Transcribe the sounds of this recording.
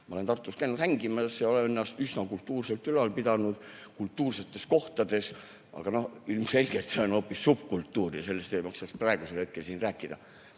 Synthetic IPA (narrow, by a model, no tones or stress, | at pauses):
mɑo̞le̞nt̪ɑrt̪ːˑust̪kæjnud̪̥hæŋɡimɑsjɑo̞lenenːɑst̪ysnɑkult̪ːˑuːrse̞lt̪ylɑlpid̪̥ɑnud̪̥ | kult̪ːuːrse̞t̪ːˑe̞sko̞ht̪ɑd̪̥e̞s | ʔɑ̰ɡ̥ɑno̞hilmse̞lʲɡ̥et̪se̞o̞no̞ːpːisːupkult̪ːuːrjɑ̰se̞lːe̞st̪ejmɑksɑksprɑˑe̞ɡ̥uselhe̞t̪̚ke̞lsiːnræːkːˑid̪̥ɑ̰